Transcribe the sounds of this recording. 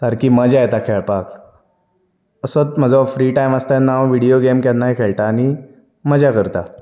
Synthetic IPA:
t̪aɾkiməd͡ʒajt̪akʰeɭpaːk | əsət̪̚məd͡zafɾiːʈajmast̪anãʋiɽijoɡemkɛnːaikʰeɭʈani | məd͡ʑakəɾt̪a

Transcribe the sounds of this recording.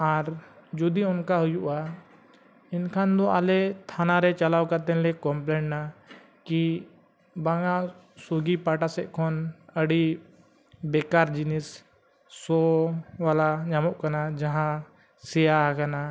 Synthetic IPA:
aɾd͡ʒud̪iʊnkaɦujuʔa | inkʰand̪ɔalɛt̪ʰanaɾɛt͡ʃalawkaɾt̪ɛ̃nlɛkɔmplɛɳʈna | ki | baŋa | suɡipaʈasɛʔkʰɔnəɽi | bɛkaɾd͡ʒinisː | ɔwalaɲamɔʔkanad͡ʒaɦã | sɛjakana

